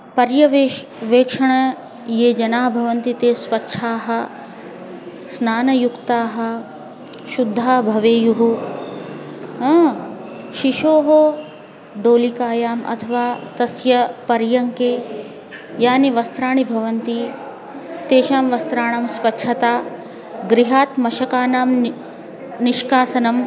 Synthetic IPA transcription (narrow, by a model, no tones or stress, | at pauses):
pɐɾjɐʋe | ʋeːkʂɐɳɐ | jeːd͡ʒɐnaːɦbʱɐʋɐnt̪it̪eːsʋɐtːʃʰaːɦɐ̆ | snaːnɐjukt̪aːɦɐ̆ | ʃud̪ʱːaːbʱɐʋeːjuɦu | ɦ | ʃiʃoːɦo | ɖoːlikaːjaːmʔɐ̰t̪ʰɐʋaːt̪ɐsjɐpɐɾjɐŋkeː | jaːniʋɐst̪ɾaːɳibʱɐʋɐnt̪i | t̪eːʃaːmʋɐst̪ɾaːɳɐmsʋɐtːʂʰɐt̪aː | ɡɾiɦaːt̪mɐʃɐkaːnaːm | niʃkaːsɐnɐm